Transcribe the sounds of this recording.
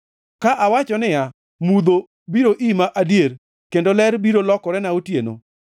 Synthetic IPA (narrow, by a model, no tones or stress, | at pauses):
kaʔawat͡ʃɔnɪja | mud̪o | biɾoʔimaʔadjeɾ | kendolɛɾbiɾolɔkɔɾɛnaotjeno̰